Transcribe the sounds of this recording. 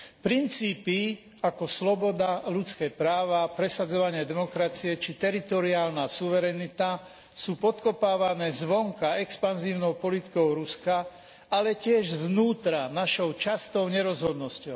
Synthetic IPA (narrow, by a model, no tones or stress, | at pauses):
pɾint͡siːpi | akɔslɔbɔd̪alut͡skɛːpɾaːʋapɾɛsad͡zɔʋaɲɪɛd̪ɛmɔkɾat͡siɛt͡ʃit̪ɛɾit̪ɔɾiaːlnasuʋɛɾɛnit̪a | suːpɔt̪kɔpaːʋanɛːzʋɔŋkaɛkspanziːʊnɔʊpɔlit̪i̥kɔʊɾuska | alɛcɪɛʒzʋnuːt̪ɾanaʃɔʊt͡ʃast̪ɔʊɲɛɾɔzɦɔd̪nɔscɔʊ